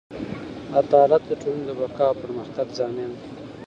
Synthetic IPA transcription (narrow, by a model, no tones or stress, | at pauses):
ad̪ɑlat̪̚d̪əʈolund̪əbakɑpəɾməxt̪aɡzɑːmand̪i